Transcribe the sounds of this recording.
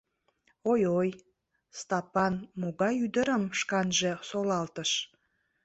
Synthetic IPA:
ojoj | st̪ɑpɑnmoɣɑjyd̪əɾəmʃkɑnʒe̽solɑlt̪əʃ

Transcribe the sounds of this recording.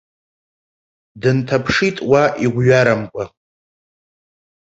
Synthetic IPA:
dɨntʰapʰʂitʼwaʔiɡʷɥaɾamkʷʼa

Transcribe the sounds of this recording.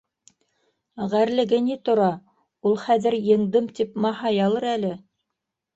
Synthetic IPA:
ʁæɾlɘ̆ɡɘnit̪ŏɾɑ | ulˠχæðɘɾjɤ̆ɴd̪ɤmt̪ipmɑhɑjɑlˠɤɾælɘ

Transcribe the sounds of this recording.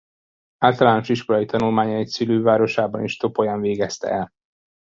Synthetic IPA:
aːlt̪ɒlaːno̞ʃiʃko̞lɒjit̪ɒnulmaːɲɒitsyløːvaːɾo̞ʃaːbɒniʃt̪o̞pojɒɱveːɡɛst̪ɛ̰ɛl

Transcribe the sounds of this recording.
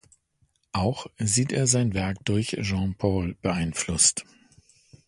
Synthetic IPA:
ʔaʊxziːteːɐzaɪnvɛɐk̚d̥ʊɐçʒɑ̃ːpʰɔːlb̥əaɪnflʊst

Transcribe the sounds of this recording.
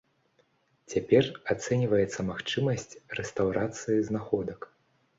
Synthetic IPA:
t͡sʲapʲɛrat̪sɛnʲivɐjɛt̪sːɐmaxt͡ʂɨmɐsʲt͡sʲrɛst̪awɾat̪sɨjiznaxɔd̪ɐk

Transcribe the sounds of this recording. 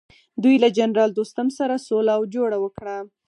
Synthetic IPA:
d̪ujlad͡ʒanɾɑld̪ost̪amsaɾasolaːwd͡ʒoɽawəkɽa

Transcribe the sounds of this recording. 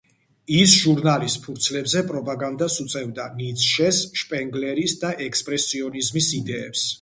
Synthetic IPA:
isʒuɾnalist̪pʰuɾt̪sʰlɛbzɛpʼɾɔpʼaɡand̪asut̪sʼɛvd̪anit̪sʰʃɛsʃpʼɛŋɡlɛɾisd̪aʔɛkspʼɾɛsiɔnizmisid̪ɛːps

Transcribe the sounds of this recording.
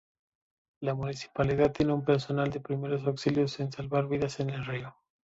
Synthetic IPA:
lamunisi̥paliðaðt̪ːje̞neumpe̞ɾso̞nald̪e̞pɾime̞ɾo̞s̬awksiljosinsalβaɾβiðase̞ne̞lrio

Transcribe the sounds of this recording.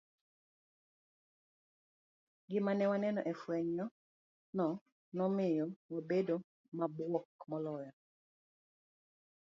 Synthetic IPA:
ɡɪmanɛwanɛnɔʔɛfwɛɲjɔ | nɔ | nɔmɪjɔwabedo | mabwɔkmɔlɔjɔ

